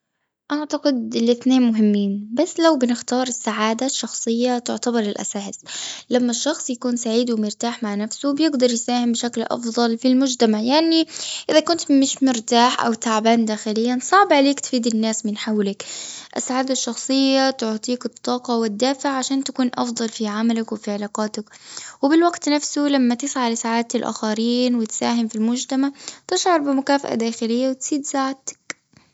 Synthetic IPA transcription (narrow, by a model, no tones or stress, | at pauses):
ʔaʕt̪aqɪd̪ɪlʔɪθneːnmʊɦɪmːiːnbasːlawbɪnɪxt̪ɑːɾˤɪsːaʕaːd̪aʃːɑxsˤɨjːat̪ʊʕt̪abɑɾˤɪlʔa̰saːhɪslamːaʃːɑxsˤjakuːnsaʕiːd̪wɪmʊɾt̪aːħmaʕnafsubjɪɡd̪ɑɾˤjsaːhɪmbɪʃaklʔɑ̰fðˤɑlfilmʊd͡ʒt̪amaʕjaʕniʔɪðakʊnt̪mɪʃmʊɾt̪aːħʔa̰wt̪aʕabaːnd̪aːxɪlɪjːansˤɑʕbʕaleːkt̪fiːd̪ɪnːaːsmɪnħawlɪkʔa̰saʕad̪aʃːɑxsˤɨjːat̪ʊʕt̪ˤiːkɨt̪ˤːɑːqɑwɪd̪ːaːfɪʕʕaʃaːnt̪akuːnʔɑ̰fd̪ˤɑlfiʕamalakwɪfiʕɪlɑːqɑːt̪akwɪbɪlwaɡt̪nafsulamːat̪ɪsʕalɪsaʕaːt̪ɪlʔa̰xaɾiːnwɪt̪saːɦɪmfilmʊd͡ʒt̪amaʕt̪ɪʃʕɑɾˤbɪmʊkaːfa̰ʔa̰d̪aːxɪlɪjːawɪt̪siːd̪saʕt̪ḁk